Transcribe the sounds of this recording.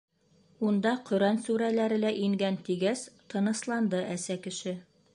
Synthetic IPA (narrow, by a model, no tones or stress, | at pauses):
und̪ɑqɵ̆ɾænsʉɾælæɾɘ̆læʔiŋɡænt̪iɡæst̪ɤ̆nɤ̆slˠɑnd̪ɤʔæsækɘ̆ʃɘ